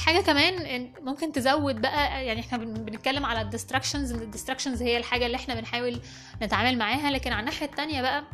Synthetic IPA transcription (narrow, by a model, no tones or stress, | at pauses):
ħaːɡækæmæːnmomkent̪ezæwːed̪̚bæʔæjaʕniʔeħnæbbenet̪̚kælːemʕalæd̪ːest̪ɾækʃenzed̪ːest̪ɾækʃenzhejːælħaːɡælːiːʔeħnæbenħaːwel | net̪ʕaːmælmaʕaːɦælæːkenʕanːaħjæt̪ːænjæbæʔæ